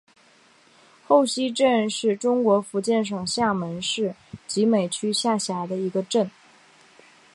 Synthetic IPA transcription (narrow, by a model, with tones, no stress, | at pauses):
xo˥˩ʊɕi˥ʈ͡ʂə˥˧nʂɻ̩˥˩ʈ͡ʂʊ˥ŋkwɔ˧˥fu˧˥t͡ɕjɛ˥˩nʂ̬ɤ˨˩ŋɕja˥˩mə˧˥nʂɻ̩˥˩t͡ɕi˧˥me˨˩ɪt͡ɕʰy˥ɕja˥˩ɕja˧˥d̪ə˧i˧˥ɡə˧ʈ͡ʂə˥˩n